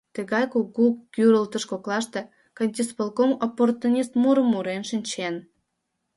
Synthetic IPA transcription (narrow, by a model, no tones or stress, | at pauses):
t̪əɣɑjkuɣukʲyɾəlt̪ə̆ʃkoklɑʃt̪e | kɑnʲt̪ʲispelˠkomoport̪unʲist̪muɾəmuɾenʃɨnʲt͡ɕen